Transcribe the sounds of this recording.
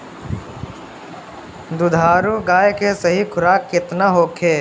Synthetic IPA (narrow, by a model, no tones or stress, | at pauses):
d̪ʊd̪ʱaːɾuɡaːjkesəɦikʰʊɾaːkːɪt̪naɦoːkʰeː